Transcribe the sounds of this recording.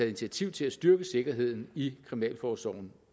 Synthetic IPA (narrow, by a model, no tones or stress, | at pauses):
ɛð̩ˠint͡sʰiæt͡sʰiʊ̰t͡sʰe̝læsd̥ɶɐɡ̥əse̝ɡ̥ɐɦe̝ð̞̰ˠn̩ikʰʁiminɛ̰ːlfɒːsɒ̰ʊ̰n̩